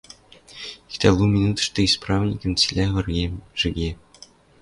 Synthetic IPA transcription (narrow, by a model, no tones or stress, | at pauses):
ikʲt̪ɑlˠumʲinut̪̆ʂt̪ɤ̆isprɑvnʲikʲɤ̆mʲt͡sʲilʲævʲɘ̆rɡʲeʐ̥ɘ̆ɡʲe